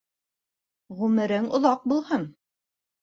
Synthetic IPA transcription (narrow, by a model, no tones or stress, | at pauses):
ʁʉmɘ̆ɾɘŋŏðɑq̚bulˠhɤn